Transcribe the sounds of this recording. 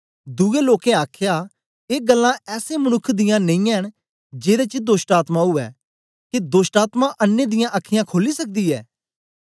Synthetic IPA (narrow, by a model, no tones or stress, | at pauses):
d̪ueloːkẽaːkʰja | eːɡəlːãɛːsemənʊkʰːd̪ɪjãnẽĩɛɦəñ | d͡ʒeːɾet͡ʃəd̪oːsʈaːt̪mãɦʊɛ̰ː | kid̪oːsʈaːt̪mãʔənːed̪ɪjãʔəkʰːɪjãkʰoːlisɐk̚d̪iːɛː